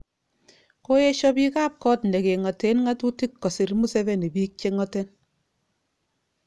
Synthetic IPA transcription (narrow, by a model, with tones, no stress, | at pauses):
ko˦je˦ʃɔ˦pi˦ka˦p̚kɔ˦tnde˨ke˨ŋɔ˨te˨˦nŋa˦tu˦ti˦kːɔ˨si˨ɾmu˦se˦be˦ne˨bi˦k̚t͡ʃe˦ŋɔ˦te˦n